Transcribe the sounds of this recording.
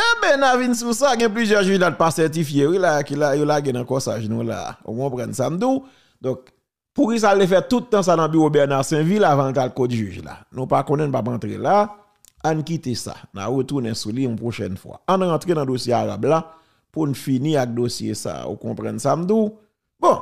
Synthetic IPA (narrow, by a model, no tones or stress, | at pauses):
ebɛ̃navinsusaɡɛ̃p̬lyzjɛʒyʒlat̪pasɛʁtifjewilakilajolaɡenɐ̃kɔsa̰ʒnũla̰ṵkɔ̃pʁãnsam̩d̪u | d̪ɔ̃k̚ | puɣis̬altefɛt̪ut̪ːãs̬anɐ̃byʁobɛʁnaʁsɛ̃vilavãlt̪alkotʒyʒla̰nũpakɔ̃nɛ̃nũpapãt̪ʁḛla | ankit̪esa̰na̰ʁət̪unɛ̃suliũpʁoʃɛ̰nfwa̰ãnãt̪ʁenɐ̃d̪osjeaʁa̰bla | punfinĩak̚d̪osjḛsa̰ṵkɔ̃pʁã̰nsam̩d̪u | bɔ̃